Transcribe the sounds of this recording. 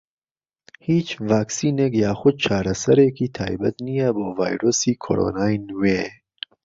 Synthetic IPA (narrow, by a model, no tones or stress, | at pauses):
hiːt͡ʃvaːksiːnekjaːxud̪̚t͡ʃʰaːɾɐsɐɾeːkʰit̪ʰa̰ːjbɐt̪nijaboːvaːjɾosiːkʰo̰ɾo̰naːjnuweː